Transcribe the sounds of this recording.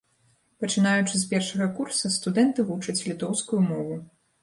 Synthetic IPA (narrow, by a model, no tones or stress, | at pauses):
pɐt͡ʂɨnajut͡ʂɨs̬pʲɛrʂɐɣɐkursɐst̪ud̪ɛnt̪ɨvut͡ʂɐt͡sʲlʲit̪ɔwskujumɔvu